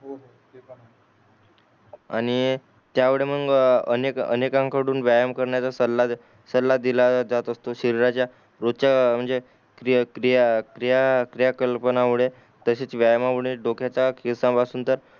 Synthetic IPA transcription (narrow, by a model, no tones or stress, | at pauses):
aɽ̃i | t̪jaʋeɭem̤ənɡə̰nekə̰nekãŋkʰaɽuːnʋjajəmkəɾɳjat͡sasəla | səlːad̪ilad͡zat̪əst̪oɕəɾiɾat͡ɕja | ɾod̚t͡ɕam̤əɳd͡ze | kɾikɾijakɾijakɾijakəlpənaʋiɭe | t̪əɕet͡sʋjajəmaʋəɽiɖokʰjat͡sakʰisãpasuːnt̪əɾ